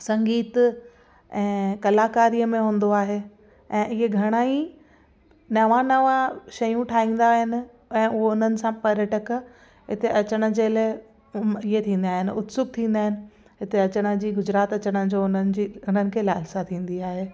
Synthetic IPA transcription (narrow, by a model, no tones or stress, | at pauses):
sɐ̃ŋɡiːt̪ | ɛ̃ːkɐlaːkaːɾijəmẽɦũːn̆d̪oaːɦeː | ɛ̃ːʔɪɦeɡʱɐɽ̃aːi | nɐʋãnɐʋãʃɐjũʈʰaːɦĩːn̆d̪aːɦɪnɪ̆ | ɛ̃ːʔʊɦʊn̤ənɪ̆sãpɐɾjəʈək | ɦɪt̪eʔɐt͡ɕəɽ̃ə̆d͡ʑeːlaː | ɪɦet̪ʰĩːn̆d̪aːɦɪnɪʊt̪sʊk̚t̪ʰĩːn̆d̪aːɦɪnɪ̆ | ɦɪt̪eɐt͡ɕəɽ̃ə̆d͡ʑiːɡʊd͡ʑɾaːt̪ɐt͡ɕəɽ̃əd͡ʑoːʊnənɪ̆d͡ʑiːʊn̤ənɪ̆kʰeːlaːɪlsat̪ʰĩːn̆d̪iaːɦeː